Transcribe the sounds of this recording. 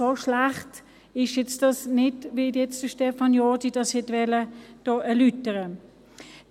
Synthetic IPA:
oʃlaχt | ɪʃjɛt͡sd̥ɑsnɪdʋɪjɛt͡sd̥əʃtɛfɑnjɔdid̥ɑshɛtvɛləd̥oːʔɛɐlytəʁə

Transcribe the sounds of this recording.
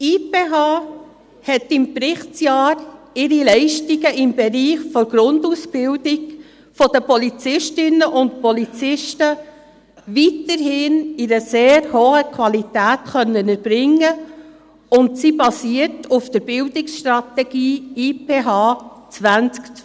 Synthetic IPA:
iːpeːɦɑː | hɛtɪmpɾɪχt͡sjɑːɾ | ɪɾilɛɪʃtiɡəʔɪmbɛɾiːχfɔɾɡ̥ɾʊndusbɪldɪɡ | fɔd̥əpɔlit͡sɪʃtɪnːəʔʊntpɔlit͡sɪʃtə | ʋitəɾhɪnɪɾəseːɾhoːəkʰʋɑlitæːtχœnːənəɾb̥ɾɪŋːə | ʊntsibɑsiːətʰufd̪̥əɾb̥ɪldɪksʃt̪ɾɑt̪ɛɡ̥iːiːpeːɦɑːt͡svænt͡sk

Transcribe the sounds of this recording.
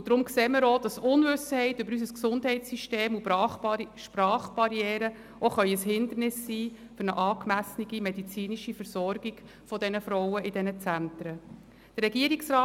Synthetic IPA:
ud̥̪ɾʊmkseːməɾod̥ɑsʊnvʏsəhɛɪtʏbəɾys̬əsksʊndɦɛɪtssyʃteːmu | ʃpɾɑːχb̥ɑɾjɛːɾə | ʔoχœʏəshɪnd̪ərnɪsːiː | fʏɾnəʔɑːkmæsniɡimɛd̪it͡siːniʃifəɾsɔrɡiɡ̥ | fɔd̪ɛnəfɾɔwəʔɪdɛnət͡sænt̪ɾə | d̥ərɾɛɡ̥iːəɾiksɾɑː

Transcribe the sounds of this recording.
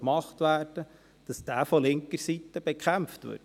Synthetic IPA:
mɑχtʋæːɾd̥ə | d̥ɑsd̥æːfɔlɪŋkəɾsit̪ːəb̥ɛkχæmftvʏ̰ːɾt

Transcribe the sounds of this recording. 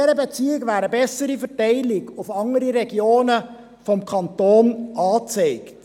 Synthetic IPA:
ɛɾəbət͡siəɡʋæːɾəbɛsəɾifɛtɛɪlɪɡʊfɑŋəɾiɾɛɡjoːnə | fɔmkʰɑntoːnʔɑːt͡seɪkt

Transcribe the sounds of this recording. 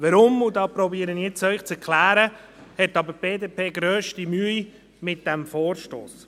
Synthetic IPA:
ʋəɾʊmudɑːpɾɔbiːəɾənt͡sœʏχt͡sɛɾkʰlæːɾə | hɛtɑbəb̥eːdeːpʰeːɡɾøːʃtimyəi | mɪt̚d̥æmfoːɾʃto̰ːs

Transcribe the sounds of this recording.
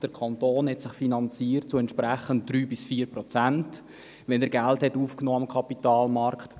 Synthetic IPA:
d̥əɾkʰɑntoːnhɛtsɪχfinɑnt͡siːɾt̚t͡suɛntʃpɾæχənt̚d̥ɾyːbɪsfiːəɾpɾɔt͡sænt | ʋɛnəɾɡælthɛtuːfknoːɑmkʰɑpitɑːlmɑɾkt

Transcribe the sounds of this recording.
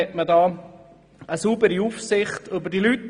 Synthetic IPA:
ɛtmədɑː | əsubəɾiufsɪχtɵbəɾdilyt

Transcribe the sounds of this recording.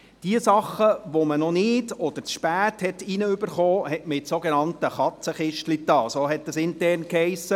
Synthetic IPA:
d̥iəsɑχːəʋomənɔnɪdɔd̥əɾt͡sʃpæːthɛtinəʏbəɾχɔːhɛtmɪtsoɡenɑntəχɑt͡səχɪʃtlit̪ɑːsoːɦɛt̚d̥ɑsɪntɛrnkhɛɪsə

